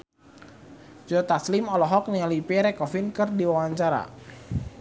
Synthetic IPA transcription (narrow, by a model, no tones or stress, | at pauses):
d͡ʒɔt̪aslimɔlɔɦɔk̚nialipiɾɛkɔfinkɨrdiwawaɲt͡ʃaɾa̰